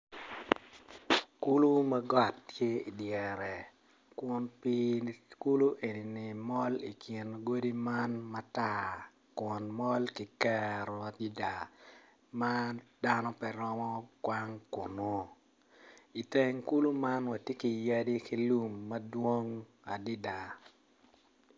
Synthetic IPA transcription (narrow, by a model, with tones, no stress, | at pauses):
ku˦lu˦ma˦ɡɔ˨tːje˦i˨djɛ˨ɾɛ˨ | kwʊ˨˦npi˦ku˦lu˦ʔe˨ni˨nɪ˨mɔ˦li˨kɪ˨nɡo˦di˦ma˦nma˦ta˨ | kʊ˨nmɔ˦lki˨kɛ˦ɾɔ˨a˨ti˦da˨ | mad̥a˦nɔ˦pɛ˨ɾɔ˦mɔ˦kwa˦ŋkʊ˨no˦ | i˨te˦ŋku˦lu˦ma˦nwa˨tje˦ki˨ja˦di˦ki˦lu˦mːɐ˦dwo˦ŋ | a˨di˦da˨